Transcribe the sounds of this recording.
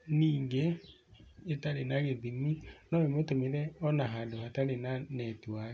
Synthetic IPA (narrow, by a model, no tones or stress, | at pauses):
niːŋɡe | etaɾenaɣeðiminɔemotomiɾɛɔnaɦadohataɾenanɛtwae